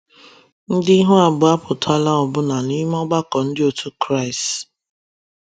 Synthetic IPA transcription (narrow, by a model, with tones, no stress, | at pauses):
n̩˦dɪ˦ɦʊ˦a˨bʊ˨a˦pʊ˨ta˦la˦ɔ˨bʊ˦na˨ni˦m˦ɔ˦ɡ͡ba˦kɔ˨n̩˦dɪ˦o˨tʰu˦kɾa˦ɪ˨s